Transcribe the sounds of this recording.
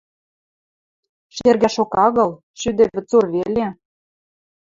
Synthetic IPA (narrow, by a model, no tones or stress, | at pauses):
ʃerɣæʃokɑɣɤ̆l | ʃyd̪ɘ̆vʲɘ̆t͡sorβelʲe